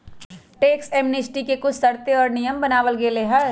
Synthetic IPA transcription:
ʈeːkseːmnesʈikekʊt͡ʃʰsɐɾt̪eɔːɾnijəmbənaːʋəlɡeːleɦɐ

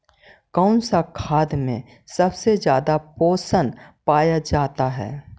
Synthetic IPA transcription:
kaːnsakʰaːd̪mḛ̃ | sɐbsed͡ʒjaːd̪apoːsənpaːjad͡ʒaːt̪aɦɛ̰ː

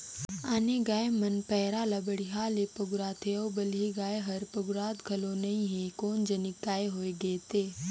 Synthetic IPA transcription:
aːneɡaːemɐnpɛːɾaːlabɐɽiɦaːlepɐɡɾaːt̪ʰeoːbəliɡaːeɦɐɾpɐɡʊɾaːt̪ɡʱɐlõnɐĩɦekoːnd͡ʒɐnɪkːaːeɦoːeɡeːt̪eː

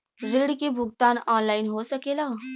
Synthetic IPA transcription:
ʋɪɾɽkebʱʊɡ̚t̪aːnɔːnlaːɪnɦosəkeːlaː

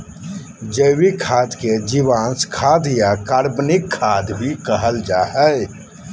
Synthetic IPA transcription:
d͡ʒəwikʰaːd̪ked͡ʒiʋaːnskʰad̪jakaɾbnikʰːad̪bʱikəɦəld͡ʒaːɦəj

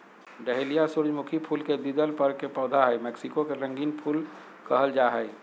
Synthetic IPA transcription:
ɖəɦelijasuɾd͡ʒmʊkʰipʰuːlked̪id̪əlpəɾkepɔːd̪ʱaɦɛjmɛːksɪkokeɾə̃ŋɡiːnpʰuːl | kəɦəld͡ʒaɦəɪ

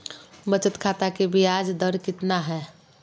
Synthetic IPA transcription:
bət͡ʃət̪kʰat̪akebʱiad͡ʒd̪əɾkɪt̪naɦɛː

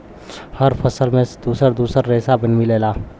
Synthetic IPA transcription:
həɾpʰəsəlmẽd̪̥uːsəɾd̪uːsəɾːeːsabənmileːlaː

